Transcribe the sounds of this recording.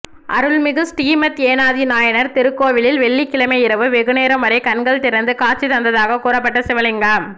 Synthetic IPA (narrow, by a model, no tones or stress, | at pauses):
ʔɐɾɯɭmɪɣɯsʈiːmɐt̪eːnaːðinaːjɐnɐɾt̪ɪɾɯkːoːʋɪlɪlʋɛɭːikːɪlɐmɐɪɾɐʋɯʋɛɣɯneːɾɐmʋɐɾɐɪkɐnɡɐɭt̪ɪɾɐnd̪ɯkaːɾt͡ʃːit̪ɐnd̪ɐðaːɣɐkuːɾɐp̬ːɐʈːɐsɪʋɐlɪŋɡaːm